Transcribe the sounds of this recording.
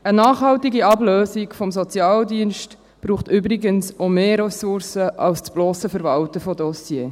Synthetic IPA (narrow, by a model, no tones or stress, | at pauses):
ənaːχhɑltiɡiɑbløːsikfɔmsɔt͡sjɑːldiənʃt | b̥ɾuːχtʏbɾɪɡənsomeːɾɛsʊrsəʔɑlst͡sb̥lɔːsəfəɾvɑltəfɔdɔsjeː